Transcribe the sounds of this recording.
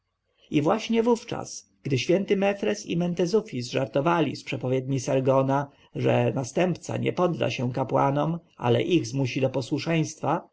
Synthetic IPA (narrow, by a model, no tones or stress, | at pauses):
ivwaɕɲɛvuft͡ʂa̰s | ɡ̥d̪ɘɕfʲjɛnt̪ɘmɛfɾɛsḭmɛnt̪ɛzufʲizʐaɾt̪ɔvalʲispʂɛpɔvʲjɛd̪̚ɲisaɾɡɔna | ʐɛ̰nast̪ɛmpt̪sa̰ɲɛ̰pɔd̪ːa̰ɕɛw̃kapwa̰nɔmʔa̰lɛ̰ʔiɣzmuɕid̪ɔpɔswuʂɛj̃st̪fa